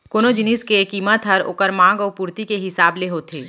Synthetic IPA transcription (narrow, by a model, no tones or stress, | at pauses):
koːnod͡ʒɪniskekiːmət̪ɦɐɾo̰kəɾmãːŋɡɔːpuːɾt̪ikeɦɪsaːbleɦot̪ʰeː